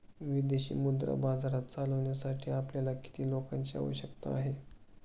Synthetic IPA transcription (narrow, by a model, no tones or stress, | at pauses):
ʋid̪eɕḭːmud̪ɾa̰bad͡zaɾat̪t͡saləʋɳjasaʈʰiːapljalaki̥t̪iːlokant͡ɕia̰ʋəɕəkt̪aaɦe